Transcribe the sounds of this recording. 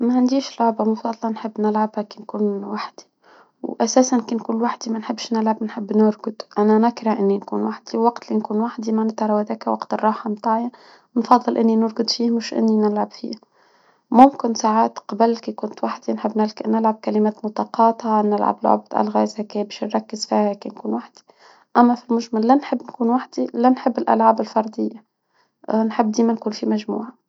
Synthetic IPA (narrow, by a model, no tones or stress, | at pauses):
maʕand̪iːʃlʊʕbamʊfɑd̪ˤlɑnħɪbːnɪlʕabhakinkuːnwaħd̪̥i̥ | wʔasaːsankinkuːnwaħd̪imanħɪbːʃnɪlʕabnħɪbːnʊɾɡʊd̪ʔananɪkɾˤɑʔɪnːinkṵːnwaħd̪iwwːaɡt̪linkuːnwaħd̪imanɪt̪ɾˤɑwad̪aːkawaqt̪ɪrˤːɑːħɑmt̪aːʕja | nfɑd̪ˤːɨlʔɪnːinʊɾɡʊd̪ˤfiːhmɪʃʔɪ̰nːinɪlʕabfḭːha | mʊmkɪnsaːʕaːt̪qɑbalkikʊnt̪waħd̪inħɪbːnɪlknɪlʕab̚kalɪmæːt̪mʊt̪ɑːqɑːt̪ɑnɪlʕa̰blʕʊ̰bt̪ʔa̰lɣa̰zakebeʃnɾˤɑkːɪzfiːhheːkinkuːnwaħd̪̥i̥ | ʔamːafilmʊʒmalːanħɪbːnkuːnwaħd̪ilanħɪbːɪlʔa̰lʕaːbɪlfɑɾˤd̪ɪjːa | nħɪbːd̪iːmankuːnfimaʒmṵːʕa